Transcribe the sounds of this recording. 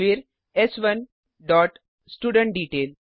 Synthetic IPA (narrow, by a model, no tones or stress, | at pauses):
eːɾ | esʋən | ɖɔːʈ | sʈuːɖə̃ɳʈ̚ɖiːʈeːl